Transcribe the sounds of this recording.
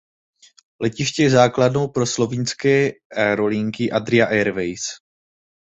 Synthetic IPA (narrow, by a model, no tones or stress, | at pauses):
lɛcɪʃcɛjɛzaːkladno̞wpɾo̞slo̞vinskɛːɛɾo̞liŋkɪʔad̪ɾɪaʔɛɾvɛjs